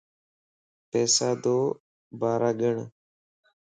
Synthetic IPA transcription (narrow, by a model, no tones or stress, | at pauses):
pɛːsaːd̪oː | baːɾaːɡəɳ